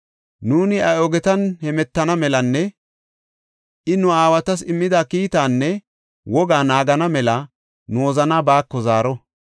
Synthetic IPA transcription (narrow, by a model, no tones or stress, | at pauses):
nuːnɪɐjɔɡɛt̪ɐnhɛmɛt̪ːɐnɐmɛlɐnːɛ | ʔɪnʊaːwɐt̪ɐs̬ɪmːɪd̪akiːt̪aːnːɛ | wɔɡaːnaːɡɐnɐmɛlɐ | noːzɐnabaːkːɔzaːɾɔ